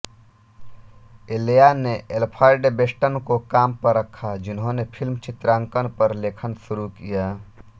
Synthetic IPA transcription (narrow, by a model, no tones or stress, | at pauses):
elejaneʔelpʰaɾɖebesʈənkokampəɾəkʰːad͡ʒinɦõnepʰilmt͡ʃit̪ɾaŋkənpəɾlekʰənsuɾukija